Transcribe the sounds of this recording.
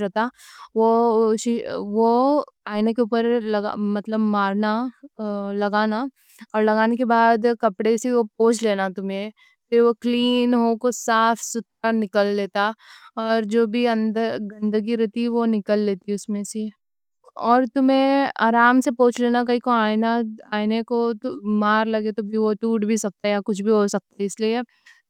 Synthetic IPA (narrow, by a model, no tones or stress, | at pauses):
ɾɛt̪aʋoʃʋoaːɪnekeupəɾlɐɡa̰mɐt̪ləbmaːɾna | lɐɡaːna | ɔːɾlɐɡaːnekebaːd̪kɐpɽeseopoːt͡ʃleːnat̪ʊmẽ | fɪɾʋokliːnɦoːkosaːfʰsʊt̪ːanɪkəlːeːt̪aɔːɾd͡ʒoːbʱiɐ̃nd̪əɾɡɐ̃nd̪əɡiɾɛɦt̪iʋonɪkəlːeːt̪iʊsmẽse | ɔːɾt̪ʊmẽa̰ːɾaːmsepõːt͡ʃleːnak̬ɐɦikõaːnaaːnekot̪maːɾlɐɡet̪obʱiʋoʈuːʈbʱisɐk̚t̪aɦɛjakʊt͡ʃʰbʱiɦosɐk̚t̪aɦɛɪslie